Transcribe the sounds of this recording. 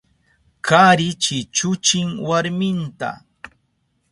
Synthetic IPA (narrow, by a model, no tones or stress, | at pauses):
kaɾɪt͡ʃɪt͡ʃʊt͡ʃɪŋwaɾmɪnt̪a̰